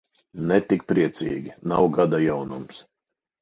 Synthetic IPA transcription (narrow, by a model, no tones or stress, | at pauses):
nɛt̪ik̚pɾiɛt̪sʲḭːɡʲinawɡad̪ajawnums